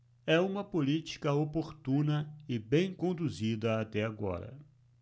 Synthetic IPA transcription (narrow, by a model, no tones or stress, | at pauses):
ɛũmɐpolit͡ʃi̥kɐopoɾt̪ũnɐɪbẽj̃kõnd̪uzid̪ɐat̪ɛaɡɔ̰ɾɐ̰